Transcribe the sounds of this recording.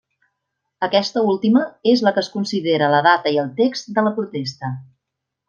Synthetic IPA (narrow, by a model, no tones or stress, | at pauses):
əkɛst̪əulˠt̪iməezləkəskunsiðeɾələðat̪əiəlˠt̪ekzt̪d̪ələpɾut̪est̪ə